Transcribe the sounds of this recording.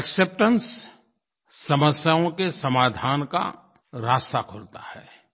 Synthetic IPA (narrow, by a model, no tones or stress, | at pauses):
ɛksep̚ʈə̃ns | ɐməsjaõkesɐmaːd̪ʱaːnka̰ | ɾaːst̪akʰoɾt̪ahɛː